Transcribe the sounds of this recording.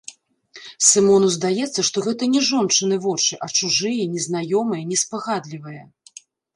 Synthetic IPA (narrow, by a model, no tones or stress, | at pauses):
sɨmɔnuzd̪ajɛt̪sːɐʂt̪ɔɣɛt̪ɐnʲɛʐɔnt͡ʂɨnɨvɔt͡ʂɨʔɐt͡ʂuʐɨjɐnʲɛznajɔmɨjɐnʲɛspaɣad̪lʲivɐjɐ